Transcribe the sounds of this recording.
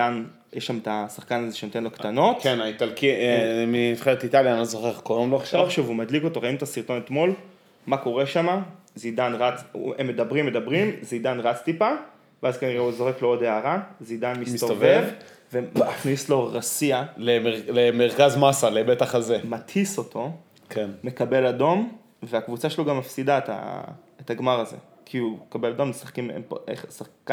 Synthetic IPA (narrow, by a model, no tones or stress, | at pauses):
an | jeʃamet̪asaχkanazeʃenot̪enlo̞kt̪ano̞t̪kenait̪alkimiifχeʁetit̪aljanizoχeχkodomloaχʃaoʃuvumadlikot̪oʁainut̪asiʁt̪o̞net̪mo̞l | mako̞ʁeʃama | zid̪anʁat͡semːe̞d̪abʁimːe̞dabʁimzid̪anʁat͡st̪ipa | veazkaniʁeuzo̞χe̞kleodeaʁazid̪anmisst̪ovev | ve̞aχnislo̞ʁasialeeʁlemeʁkazmasalebet̪aχazemathiso̞tʰo̞ | kʰenme̞kabe̞lado̞m | veakvut͡saʃeloɡamːafsid̪aet̪a̰ | etaɡmaʁazḛ | kʰiukabelad̪o̞msaχkimḛmpḛχsaχka